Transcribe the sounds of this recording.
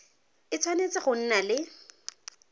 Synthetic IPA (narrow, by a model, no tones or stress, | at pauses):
ɪt͡sʰwanet͡sɪχʊn̩nalɪ